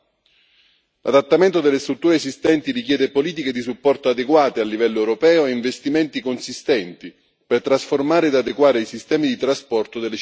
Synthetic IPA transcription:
lʔad̪at̪ːament̪od̪elːest̪ɾut̪ːuːɾeːsist̪ɛnt̪irik̟jɛːd̪epoliːt̪̬iked̪isupːɔrt̪oad̪eɡwaːt̪ealːivɛlːoɛwɾopɛːoeiɱvest̪iment̪ikonsist̪ɛnt̪i | pert̪ɾasformaːɾeːd̪ad̪ekwaːɾeisist̪ɛːmid̪it̪ɾaspɔrt̪od̪elːe

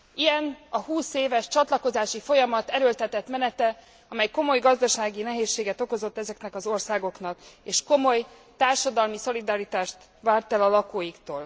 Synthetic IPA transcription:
ijɛnɒɦuːseːvɛʃt͡ʃɒt̪lɒko̞zaːʃifo̞jɒmɒt̪ɛɾølt̪ɛt̪ɛt̪mɛnɛt̪ɛ | ɒmɛjko̞mo̞jɡɒzd̪ɒʃaːɡinɛɦeːʃːeːɡɛt̪o̞ko̞zo̞t̪ːɛzɛknɛkɒzo̞rsaːɡo̞knɒkeːʃko̞mo̞j | t̪aːrʃɒd̪ɒlmiso̞lid̪ɒɾit̪aːʃt̪ | vaːrt̪ɛlɒlɒkoːjikt̪oːl

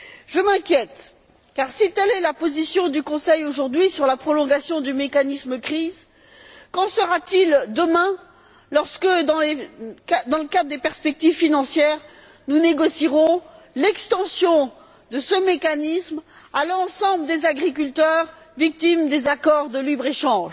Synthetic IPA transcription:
ʒəmɛ̃kʲjɛt̪ | kaʁsit̪ɛlɛlapozisjɔ̃d̪ykɔ̃sɛjoʒuʁd̪ɥisyʁlapχɔlɔ̃ɡasjɔ̃d̪ymekanisməkχiz | kɑ̃səʁat̪ild̪əmɛ̃ | lɔʁskəd̪ɑ̃lead̪ɑ̃ləkad̪ʁd̪epɛʁspɛk̚t̪ivfinɑ̃sjɛʁ | nuneɡɔsiʁɔ̃ | lɛkst̪ɑ̃sjɔ̃ | d̪əsəmekanism | alɑ̃sɑ̃bləd̪ezaɡʁik̬ʲylt̪œʁ | vik̚t̪imd̪ezakɔʁd̪əlibʁeʃɑ̃ʒ

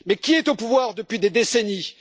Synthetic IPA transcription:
mɛkʲiɛt̪opuvwaʁd̪əpɥid̪ed̪eseni

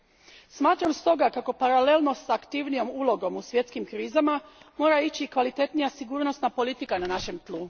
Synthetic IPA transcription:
smaːt̪ɾamst̪o̞ɡakako̞paɾale̞lˠno̞sakt̪iʋnijo̞mulˠo̞ɡo̞musʋje̞t̪skimkɾiːzamamo̞ːɾait͡ɕikʋalit̪e̞t̪nijasiɡuːɾno̞snapo̞lit̪ikananaʃe̞mt̪lˠu

